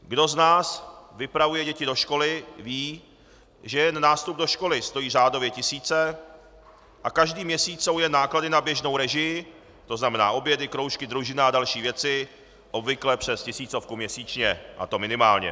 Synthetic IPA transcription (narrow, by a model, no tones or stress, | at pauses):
ɡdo̞znaːsvɪpɾavujɛɟɛcɪdoʃko̞lɪviː | ʒɛjɛnnaːst̪ub̚doʃko̞lɪst̪o̞jiːraːdo̞vjɛcɪsiːt͡sɛ | ʔakaʒdiːmɲɛsiːt͡sowjɛnaːkladɪnabjɛʒnowɾɛʒɪj | t̪o̞znamɛna̰ːʔo̞bjɛdɪkɾo̞wʃkɪd̪ɾuʒɪnaadalʃiːvjɛt͡sɪ | ʔo̞bvɪklɛpr̝̥ɛscɪsiːt͡so̞fkumɲɛsiːt͡ʃɲɛʔa̰t̪o̞mɪnɪmaːlɲɛ̰